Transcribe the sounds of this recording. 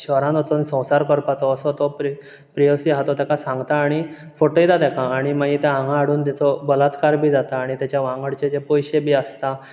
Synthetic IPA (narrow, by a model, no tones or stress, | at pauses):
ɕəɾãnɔt͡s̪ənsə̃w̃saɾkɔɾpat͡sɔːsɔt̪ɔpɾ | pɾijɔsiːɦat̪ɔt̪jakasãŋɡt̪aːɽ̃i | foʈəit̪at̪jakaːɽ̃imaɡit̪ããŋɡãːɽ̤uːnt̪jat͡sɔbəlat̪kaɾbʱiːd͡zat̪aːɽ̃it̪jat͡ɕjaʋãŋɡəɽt͡ɕet͡ɕepɔjɕebʱiːast̪a